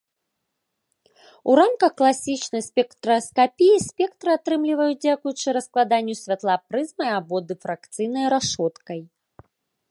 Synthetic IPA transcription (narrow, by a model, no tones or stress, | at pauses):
uɾamkɐxklˠasʲit͡ʂnɐjsʲpʲɛkt̪ɾɐskapʲijisʲpʲɛk̚t̪ɾɨat̪ɾɨmlʲivɐjud͡zʲakujut͡ʂɨɾɐsklˠad̪anʲːusʲvʲat̪lˠapɾɨzmɐjabɔd̪ɨfɾakt̪sɨjnɐjɾaʂɔt̪kɐj